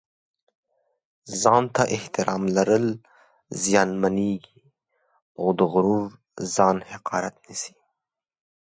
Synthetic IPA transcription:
zɑnt̪aʔɪht̪ɪɾʔɑmlaɾəl | zijɑnmaneɡi | awd̪əɣʊɾuɾ | zɑnhɪqɑːɾat̪̚nisi̥

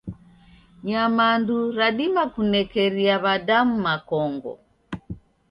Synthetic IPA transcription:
ɲamanduɾaɗimakunɛkɛɾiaβadamumakɔŋɡɔ̰

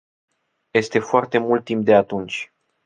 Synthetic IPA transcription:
je̞st̪e̞foart̪e̞mult̪̚ːimp̚d̪e̞at̪unt͡ʃʲ

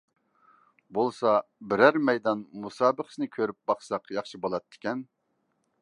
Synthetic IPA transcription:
bolˠsɑbɪɾæɾmɛjd̪ɑnmusɑːbəχə̥sɪnɨkʲʰøɾyp̚bɑχsɑqjɑχʃibolˠɑt̪ʰːɪ̥kʲɛn

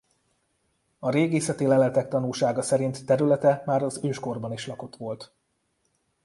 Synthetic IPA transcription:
ɒɾeːɡiːsɛt̪eːlɛlɛt̪ɛk̚t̪ɒnulʃaːɡɒsɛɾint̪ːɛɾylɛt̪ɛmaːɾɒzøːʃko̞rbɒniʃlɒko̞t̪ʋo̞lt̪

